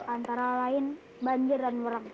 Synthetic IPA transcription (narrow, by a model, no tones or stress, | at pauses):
ʔant̪aɾalaɪn | baɲd͡ʒərdanwəɾəŋ